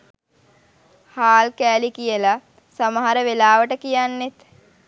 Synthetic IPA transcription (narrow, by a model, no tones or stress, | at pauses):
haːlkæːlikijəla | saməɦaɾəʋelaːʋəʈəkijanːet̪